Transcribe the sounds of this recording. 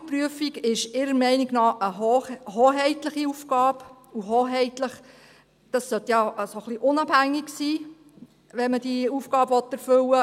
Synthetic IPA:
pɾyəfiɡɪʃɪɾəɾmɛɪniɡnɑːʔəɦhoːɦɛɪtləχiufɡ̥ɑːbuɦoːɦɛɪtləχ | d̥ɑsːœt̪jɑsoχliʔʊnɑb̥hæŋːiɡsiː | ʋɛnməd̥iufɡɑːbəʋɔtːɛɾfʏlə

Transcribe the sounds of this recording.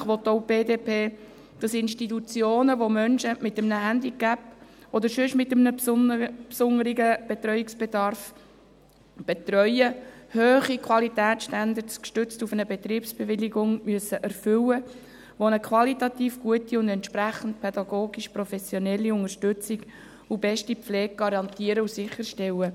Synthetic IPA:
χʋɔt̪ːoʊb̥eːdeːpʰeː | d̥ɑsɪnʃtitut͡sjoːnəʋomœnʃəmɪtəmnəhænd̪ikæpɔd̪əɾʃʏʃmɪtəmnə | psʊŋəɾiɡəb̥et̪ɾœʏiksb̥edɑrf | b̥et̪rœʏəhøːχikʰwɑlitæːtsʃtænd̪əɾtskʃtʏt͡stufənəbet̪ɾiːpsb̥eʋɪliɡʊŋmyəsəʔæɾfʏwə | ʋonəkʰwɑlitɑt̪iːfɡ̥uətiʊndɛnt̪ʃpɾæχən̩t̚pʰɛd̥̪ɑɡoːɡ̥iʃpɾofɛsjonɛlːiʊŋəʃtʏt͡siɡ | ubɛʃtilɛːɡ̚ɡ̥ɑɾɑnt̪iəɾəusɪχəɾʃtɛwə

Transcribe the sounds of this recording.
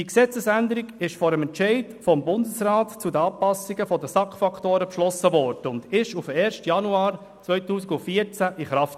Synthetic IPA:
iksɛt͡səsænd̪əɾiɡɪʃfɔːɾəmɛntt͡ʃɛɪdfɔmbʊndəsraːtt͡sudəɑːpːɑsiɡəfɔdəsɑkχfɑktoːɾəpʃlɔsəvɔɾd̥əʊnd̪ɪʃufɛːɾʃtjɑnuɑːɾ | t͡sʋœʏtuːsiɡʊnfiət͡sæʔiχɾɑft

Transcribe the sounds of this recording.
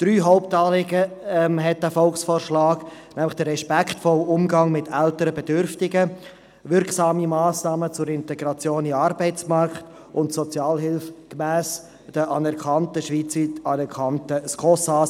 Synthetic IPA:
d̥ɾyːɦɔʊptɑːlɪɡəɛmɦɛt̚dæfɔlksfɔːɾʃlɑːɡnæmlɪχd̥əːɛʃpɛkʰtfɔlʊmɡɑŋmɪtʰɛltəɾəbɛdʏɾftɪɡə | vɪɾksɑːmimɑːsnɑːmət͡sʊɾɪntɛɡɾɑt͡sjoːnɪmɑɾbɛɪt͡smɑrkt | ʔʊntsɔt͡sjɑːlɦɪlfkmæːs | d̥əʔɑnɛɾkʰɑntəʃʋiːt͡siɑnɛkʰɑntəskʰɔsas

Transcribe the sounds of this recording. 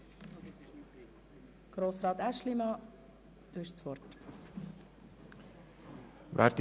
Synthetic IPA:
ɡ̥ɾoːsʁɑːt̪æʃlimɑ | d̪̥uːɪʃt͡sʋɔɾt | væ̰ɾt̪

